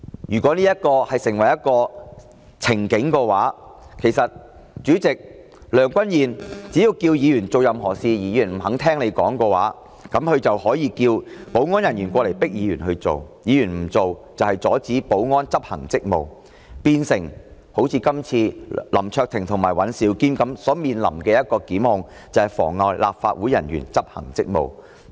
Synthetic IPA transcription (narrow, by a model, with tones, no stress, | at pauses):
jyː˨˩kʷɔː˨˥niː˥jɐ˥t̚kɔː˧hɐ˨jsɪ˨˩ŋwɐ˨˩jɐ˥t̚kɔː˧ | t͡sʰɪ˨˩ŋkɪ˨˥ŋkɔː˧waː˨˥kʰe˨˩jsɐ˨t̚ | t͡ʃyː˨˥t͡sɪ˨k̚ | lœː˨˩ŋkʷɐ˥njiː˨˩nt͡siː˨˥ji˧wkiː˧wjiː˨˧jyː˨˩nt͡so˨wjɐ˨mɦɔː˨˩siː˧jiː˨˥jyː˨˩nm̩˨˩ɦɐ˨˥ŋt̪ʰɛː˥ŋne˨˧jkɔː˨˥ŋkɔː˧wa̰ː˨˥ | kɐ˨˥mhɵ˨˧ɥt͡sɐ˨whɔː˨˥jiː˨˧kiː˧wpo˨˥wŋɔː˥njɐ˨˩njyː˨˩nkʷɔː˧le˨˩jpɪ˥k̚jiː˨˧ɥyː˨˩nhɵ˧ɥt͡so̰˨wjiː˨˧jyː˨˩nm̩˨˩t͡so˨wt͡sɐ˨whɐ˨jt͡sɔː˨˥t͡siː˨˥po˨˥wŋɔː˥nt͡sɐ˥p̚hɐ̰˨˩ŋt͡sɪ˥k̚mo˨w | piː˧nsɪ˨˩ŋ | ho˨˥wt͡sʰiː˧kɐ˥mt͡sʰiː˧lɐ̰˨˩mt͡ʃʰœː˧k̚t̪ʰɪ˨˩ŋt̪ʰʊ˨˩ŋmaː˨˩jwɐ˨˥nsiː˨˥wkiː˥nkɐ˨˥msɔː˨˥miː˨nlɐ̰˨˩mkɛː˧jɐ˥t̚kɔː˧kiː˨˥mhʊ˨˧ŋ | t͡sɐ˨˩whɐ˨jfɔ̰ː˨˩ŋːɔː˧jlʔa̰ː˨p̚fa̰ː˧t̚wuː˨˥jɐ˨˩njyː˨˩nt͡sɐ˥p̚hɐ̰˨˩ŋt͡sɪ˥k̚mo̰˨w